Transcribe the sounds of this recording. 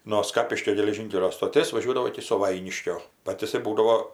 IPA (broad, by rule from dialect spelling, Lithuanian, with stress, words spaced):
noː ˈskɑːpʲɪʃʲkʲoː ɡʲɛlʲɛˈʒʲiːŋʲkʲɛlʲoː stoːˈtʲeːs ʋɐˈʒʲuɔdɐʋoː ɪkʲɪ sʊˈʋɐɪnʲɪʃʲkʲoː ˈbɐt jɪˈsɐɪ ˈbuːdɐʋoː